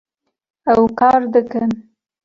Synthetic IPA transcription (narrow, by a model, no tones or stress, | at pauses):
awkɑɾd̪əkən